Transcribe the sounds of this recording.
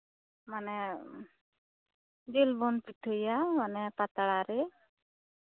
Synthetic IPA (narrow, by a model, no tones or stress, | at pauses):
manɛ | d͡ʒelbɔnpiʈʰəjamanɛpat̪aɽaɾɛ